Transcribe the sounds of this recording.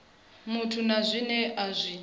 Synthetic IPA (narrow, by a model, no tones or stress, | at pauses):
mutʰunazʷinɛʔazʷiː